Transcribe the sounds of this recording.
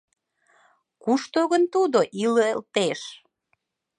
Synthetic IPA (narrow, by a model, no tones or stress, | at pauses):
kuʃt̪oɣənt̪ud̪oʔiloelt̪eʃ